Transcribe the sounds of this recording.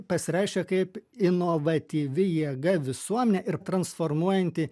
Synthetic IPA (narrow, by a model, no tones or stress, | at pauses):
pɐsʲɪɾʲɛɪʃʲkʲɛkɐɪpɪnoʋɐt̪ʲiːʋʲɪjiɛɡɐʋʲɪsuɔmʲɛnʲɛʔɪɾt̪ɾɐnsfoːɾmuɔjɛnʲt̪ʲɪ